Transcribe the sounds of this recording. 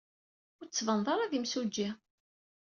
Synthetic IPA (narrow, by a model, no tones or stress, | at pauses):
ʊɾt͡sːvənðˤɑɾˤaðimsud͡ʒːi